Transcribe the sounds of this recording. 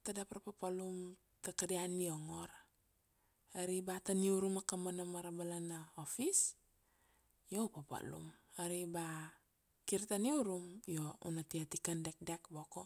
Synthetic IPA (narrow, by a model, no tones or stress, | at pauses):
tadapaɾapapalum | takadianio̞ŋo̞ɾa | aɾibataniuɾumakamanamaɾabalanaofis | jopapa̰lṵmaɾiba | kiɾtaniuɾumjo̞ṵnatiatikandek̚dekboko̞